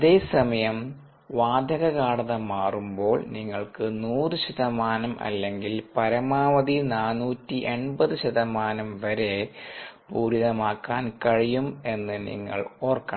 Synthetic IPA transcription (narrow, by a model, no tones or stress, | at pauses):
ɐðe̞ːsɐmɐjɐm | ʋaːd̪ʱɐɣɐɣaːɽɐðɐmaːrumbo̞ːɭniŋːɐɭkɨnuːrɨɕɐðɐmaːnɐmʔɐ̰lːe̞ŋɡilpɐɾɐmaːʋɐðinaːnːuːtːiʔe̞ɳbɐðɨɕɐðɐmaːnɐmʋɐɾe̞puːɾiðɐmaːkːaːnkɐɻijume̞nːɨnḭŋːɐ̰ɭoːrkːɐ̰